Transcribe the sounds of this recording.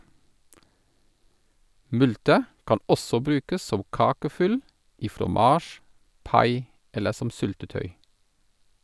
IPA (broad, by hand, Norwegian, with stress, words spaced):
ˈmʉltə ˈkɑn ˈɔsɔ ˈbɾʉːkəs ˈsɔm ˈkɑːkəˌfʏl ˈiː fɾɔˈmɑːʃ ˈpɑɪ ˈɛlə ˈsɔm ˈsʏltəˌtœʏ